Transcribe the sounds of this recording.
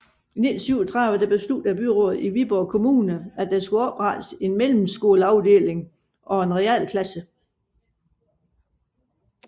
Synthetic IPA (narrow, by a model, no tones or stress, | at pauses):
inidsʰyʊɐt͡sʰʁɑðˠʋəd̥eb̥esl̥ud̥æb̥yʁɔ̰ːð̩ˠiʋib̥ɒːkʰo̝muːnəæd̥æsɡ̥uɒ̽b̥ʁɑd̥se̝nmel̰m̩sɡ̥o̝ːləɑ̈ʊd̥e̝̰ːle̝ŋ | ʔɒ̽e̝nʁɛɛ̰ːl̰kʰlæsə